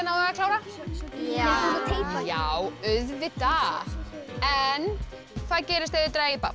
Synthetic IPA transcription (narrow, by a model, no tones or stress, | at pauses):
naakʰl̥aːwɾa | aejpjawʏðvɪt̪a | ɛn | θaðcɛːɾɪst̪eðɪt̪ɾaːjɪpa̰